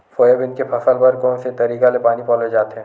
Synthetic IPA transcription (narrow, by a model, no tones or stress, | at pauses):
foːjəbɪnkepʰɐsəlbɐɾkɔːnset̪ɐɾiːkalepaːnipɔːled͡ʒaːt̪eɦɛ̃